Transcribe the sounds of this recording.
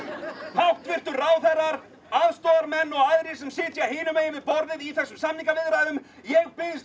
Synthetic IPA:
hʰawht̪vɪr̥t̪ʏɾraːwθɛrːaɾ | aðst̪oːðaɾmɛnːɔɣajðɾɪs̬ɛmsɪːt̪jaheːnʏmejɪvɪðpɔɾðɪðiθɛsːʏmsamniŋkavɪðɾaðʏm | jɛɣpɪns

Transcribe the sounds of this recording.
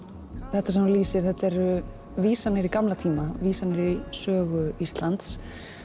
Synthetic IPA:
θɛht̪ːas̬ɛmliːsɪɾ̥θɛht̪ɛɾʏ | viːsanɪɾikamlat̪ʰiːmaviːsanɪɾisœːɣʏist̪lant̪s

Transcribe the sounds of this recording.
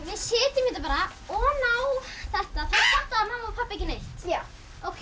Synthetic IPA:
vɪðsɪːt̪ɪmːɪːt̪ap̬aːɾaɔnawθɛht̪aθaðfaht̪aðamhaːmːapʰapːacɪnej | ɔɣ

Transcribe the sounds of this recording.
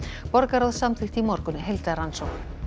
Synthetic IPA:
pɔɾkaɾɔðsamt̪ʰɪxt̪imɔɾkʏnːɪɦelt̪aɾansowx

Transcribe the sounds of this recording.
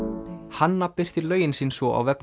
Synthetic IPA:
hanːapɪr̥t̪ɪlœːɥjɪnsiːnsvɔʔa̰wvɛp

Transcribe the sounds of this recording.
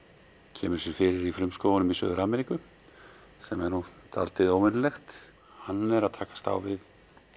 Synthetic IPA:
cʰɛ̰ːmʏɾ̥sjɛɾfɪɾɪɾiflɾʏmskoːwvanʏmisœ̰ːðʏɾaːmɛɾikʏ | sɛmɛɾnut̪ʰa̰lt̪ɪðoːwmɪnʏlɛxt̪ | hanːɛɾaðt̪ʰaːkḁst̪a̰wvɪð

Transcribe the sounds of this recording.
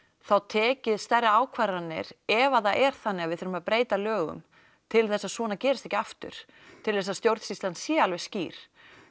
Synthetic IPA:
θawt̪ʰɛːcɪðst̪ɛraaːwkʰvaɾanːɪ̰ɾɛvaθaʔɛɾ̥θanːɪɣavɪðθʏɾmaðpɾeːjt̪alœːɣʏ̰m | t̪ʰɪlθɛsːaðsvɔːnacɛːɾɪst̪ɛhcɪaft̪ʏ̰ɾ̥ | t̪ʰɪlθɛs̬ːast̪jowɾt̪sist̪lansjɛalvɛ̥sciːɾ̥

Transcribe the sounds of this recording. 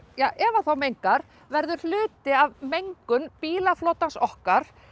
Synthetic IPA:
jaːʔɛvaθawmejŋkaɾ̥ | vɛɾðʏɾ̥l̥ʏːt̪ɪavmejŋkʏnpiːlafloːwt̪ansɔhkaɾ̥

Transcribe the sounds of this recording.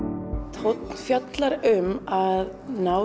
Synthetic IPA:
t̪ʰot̪n̥fjat̪laɾʏmað | na

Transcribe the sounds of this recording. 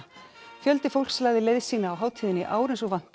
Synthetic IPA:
fjœlt̪ɪfowlkslaːjðɪlejðsiːnaːwɦaːwt̪ʰiːðɪnɪʔaːwɾɪnsɔɣvan̥t̪

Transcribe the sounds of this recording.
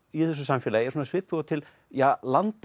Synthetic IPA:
iθɛs̬ʏsamfɛlajɛɾsuːnsvɪːt̪̚pʏɣat̪ʰɪl | jalant̪

